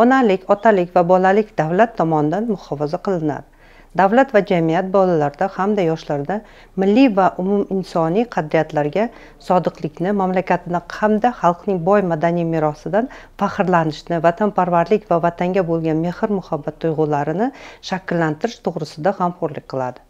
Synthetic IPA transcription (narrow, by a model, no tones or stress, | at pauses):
ɒnalɪkʲɒt̪ʰalɪkʲvabɒlalɪkʲd̪avlat̪ʰːɒmɒnɪd̪anmʊhɒfazaqʰɨlˠɪna̰d̪ɪ | d̪avlat̪vad͡ʒamijat̪̚bɒlalaɾd̪ahamd̪ajɒʃlaɾd̪a | mɪlːivaʔʊmumɪnsɒnijqʰɑd̪ɾijat̪laɾɡʲa | sɒd̪ɨqlɪkʲnɪmamlakʲʰat̪ʰɪd̪aqʰamd̪aχɑlˠqnɪŋbɒjmad̪anijmɪɾɒsɪd̪anfaχɨɾlanɪʃnɪvat̪ʰanpʰaɾvaɾlɪkʲvavat̪ʰaŋɡʲabolˠɡʲanme̞hɨɾmʊhabːat̪ʰːʊjʁʊlaɾɪnɪʃakʲɪlːant̪ɪɾɪʃt̪ʰoʁɾɪsɪd̪ahamqoɾlɪk̚ʲqʰɨlˠad̪ɪ